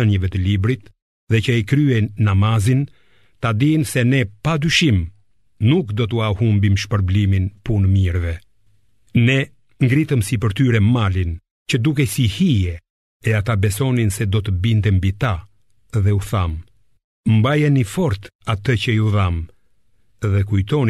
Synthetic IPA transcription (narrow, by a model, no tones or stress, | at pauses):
ənjəvɛt̪əlibɾit̪ | ðɛcəikɾyɛjnːamazin | t̪ad̪insɛnɛpad̪yʃim | nukd̪ɔt̪uahumbimʃpəɾbliminpunmiɾvɛ | nɛ | ŋɡɾit̪əmsipəɾt̪yɾɛmalin | cəd̪uk̬ɛsihijɛ | ɛat̪abɛsɔninsɛd̪ɔt̪əbint̪ɛmbit̪a | ðɛuθam | mbajɛnifɔɾt̪at̪əcəjuðam | ðɛkujt̪ɔn